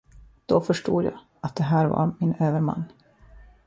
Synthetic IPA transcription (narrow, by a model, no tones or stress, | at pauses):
d̪̥ɔfœʂʈṵːd̪jɑ̰ː | ʔat̪̚d̪ɛɦæːɾva̰ɾmɪnøːvəɾma̰nː